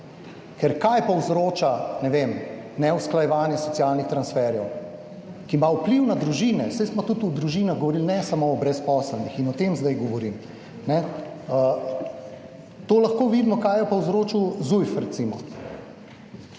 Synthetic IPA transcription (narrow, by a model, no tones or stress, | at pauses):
kɛɾkajpɔwzɾoːt͡ʃanɛʋemnɛusklajɛʋaːnjɛsɔtsialnixt̪ɾansfɛɾjɛw | kimaupliwnad̪ɾuʒinɛsɛjsmɔt̪ut̪ud̪ɾuʒinaɣɡɔʋɔɾilnɛsamoːbɾɛspɔːsəlnixinɔt̪emzd̪ajɡɔʋɔɾim | nɛə | t̪oːlɐxkoːʋid̪mɔkajjɔpɔwzɾoːt͡ʃuwzujfɾɛt̪siːmɔ